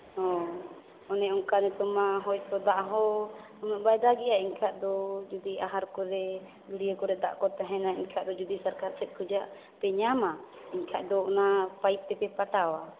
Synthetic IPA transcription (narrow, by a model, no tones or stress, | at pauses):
ɔ | ɔnɛʔɔŋkanɛt̪ɔmaɦɔjkɔd̪aʔɦɔ | ɔmɛʔbajd̪aɡɛʔaiɲkʰaʔd̪ɔd͡ʒud̪iaɦaɾkɔɾɛ | ɡiɽijəkɔɾɛd̪a̰ʔkɔt̪ɛɦɛnaiɲkʰaʔd̪ɔd͡ʒud̪isaɾkaɾsɛt̪̚ˀkʰud͡ʒaʔ | pɛɲama | iɲkʰaʔd̪ɔnapaip̚t̪ɛpɛpaʈawa